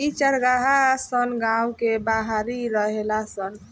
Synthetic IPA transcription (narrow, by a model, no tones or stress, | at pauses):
it͡ʃəɾɡaɦasənɡãwkebaɦaɾiɾəɦelasən